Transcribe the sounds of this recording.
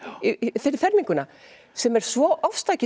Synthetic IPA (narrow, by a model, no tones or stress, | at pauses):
θθɛɾmiŋkʏna | sɛmɛɾ̥svɔʔɔfst̪aːjcɪ